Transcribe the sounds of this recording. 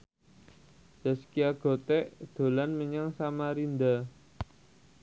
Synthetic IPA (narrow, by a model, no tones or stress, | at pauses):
d̪̥a̤skiaɡ̥ɔ̤t̪ɛʔd̪̥o̤lanməɲaŋsamaɾind̪a